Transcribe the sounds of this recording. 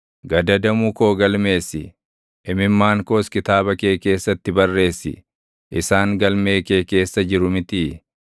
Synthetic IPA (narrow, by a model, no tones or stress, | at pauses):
ɡɐd̪ɐd̪ɐmuːko̞ːɡɐlme̞ːsːɪ | ʔɪmɪmːaːŋko̞ːskɪt̪aːbɐke̞ːke̞ːsːɐt̪ːɪbɐrːe̞ːsːɪ̰ | ʔɪsaːŋɡɐlme̞ːke̞ːke̞ːsːɐd͡ʒɪɾʊmɪt̪iː